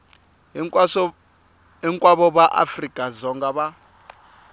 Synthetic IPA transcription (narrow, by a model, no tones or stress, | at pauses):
ɛŋkʼwaβɔβaʔa̰frikʼazɔŋɡaβa